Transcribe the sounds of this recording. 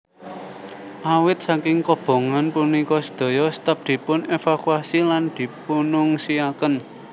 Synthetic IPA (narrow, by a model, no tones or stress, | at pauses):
ʔawɪt̪̚sakɪŋkɔb̥o̤ŋanpunikɔsə̥d̪̥o̤jɔst̪əp̚d̪̥i̤pʊnefakuasiland̪̥i̤punʊŋsiakən